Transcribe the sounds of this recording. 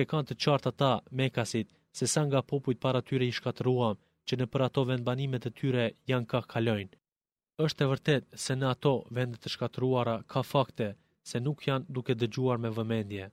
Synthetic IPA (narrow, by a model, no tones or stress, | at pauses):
ɛkant̪ət͡ʃaɾt̪at̪amɛkasit̪̚ | sɛsaŋɡapɔpujt̪̚paɾat̪yɾɛiʃkat̪əɾuam | t͡ɕənəpəɾat̪ɔvɛnd̪̚banimɛt̪ɛt̪ʰyɾɛjankakʰalɔjn | əʃt̪ɛvəɾt̪ɛt̪̚sɛnəat̪ɔvɛnd̪ɛt̪əʃkat̪əɾuaɾakʰafakt̪ɛ | sɛnukʰjand̪ukɛd̪əd͡ʑuaɾmɛvəmɛnd̪jɛ